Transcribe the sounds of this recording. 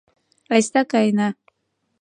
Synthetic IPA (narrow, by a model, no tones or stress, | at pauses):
last̪akajna